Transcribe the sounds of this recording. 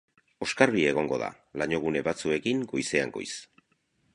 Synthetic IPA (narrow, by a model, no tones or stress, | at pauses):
o̞skaɾβie̞ɣ̞o̞ŋɡo̞̰ða̰ | laɲo̞ɣ̞une̞βat͡sue̞kiŋɡojse̞a̰ŋɡo̰js